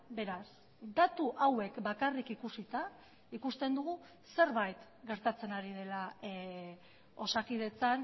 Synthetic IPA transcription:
be̞ɾas | d̪at̪uʔawe̞kbakarikikusit̪a | ikust̪e̞nd̪uɣ̞u | se̞ɾβajt̪ | ɡe̞ɾt̪at͡se̞naɾið̞e̞la | o̞sakið̞e̞t͡san

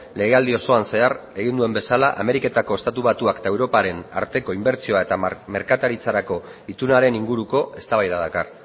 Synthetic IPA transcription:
le̞ɣe̞ald̪io̞so̞anse̞are̞ɣ̞ind̪ue̞mbe̞salaʔame̞ɾike̞t̪ako̞e̞st̪at̪uβat̪uaket̪aewɾo̞paɾe̞na̰ɾt̪e̞ko̞imbe̞ɾt͡sio̞ae̞t̪ame̞ɾkat̪aɾit͡saɾako̞it̪unaɾe̞niŋɡuɾuko̞e̞st̪aβajðaðakar

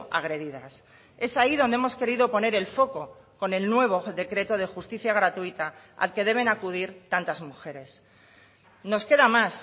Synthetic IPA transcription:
a̰ɣ̞ɾe̞ðiða̰s | e̞saiðo̞nd̪emo̞ske̞ɾiðo̞po̞ne̞ɾe̞lfo̞ko̞ko̞ne̞lnwe̞β̞o̞ðe̞kɾe̞t̪o̞ð̞e̞xust̪iθjaɣ̞ɾat̪uit̪a | a̰lke̞ðe̞β̞e̞nakuðiɾt̪ant̪azmuxe̞ɾe̞s | no̞ske̞ðamas

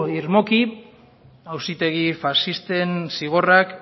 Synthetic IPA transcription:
iɾmo̞ki | awsit̪e̞ɣifasist̪e̞nsiɣ̞o̞rak

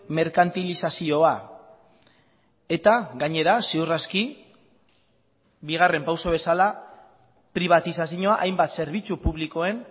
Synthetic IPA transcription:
me̞ɾkant̪ilisasio̞a | e̞t̪aɡaɲe̞ɾaseuraski | biɣ̞are̞mpawso̞β̞e̞sala | pɾiβ̞at̪isasiɲoaʔajmbat̪se̞ɾβ̞it͡supuβliko̞e̞n

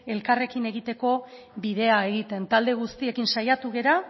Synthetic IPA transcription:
e̞lkare̞kine̞ɣit̪e̞ko̞ | bið̞e̞ae̞ɣit̪e̞nt̪ald̪e̞ɣ̞ust̪ie̞kinsajat̪uɣe̞ɾa

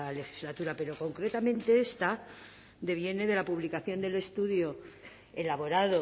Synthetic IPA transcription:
le̞xizlat̪uɾape̞ɾo̞ko̞ŋkɾe̞t̪amẽ̞nt̪e̞e̞st̪a | d̪e̞β̞je̞ne̞ðe̞lapuβlikaθjo̞nd̪e̞le̞st̪uðjo̞ | e̞laβo̞ɾaðo

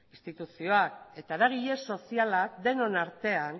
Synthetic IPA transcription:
ist̪it̪usio̞ake̞t̪aeɾaɣ̞iʎe̞so̞sialakd̪e̞no̞naɾt̪e̞an

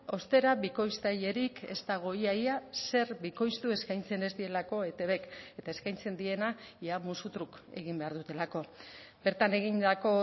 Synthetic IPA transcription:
o̞st̪e̞ɾaβiko̞jst̪aje̞ɾikʰe̞st̪aɣ̞o̞jajase̞ɾbiko̞jst̪ue̞skajnt͡se̞ne̞zd̪ie̞lako̞e̞t̪e̞βe̞ke̞t̪ae̞skajnt͡se̞nd̪ie̞najamusut̪ɾuke̞̰ɣ̞imbe̞aɾðut̪e̞lako̞ | be̞ɾt̪ane̞ɣind̪ako̞

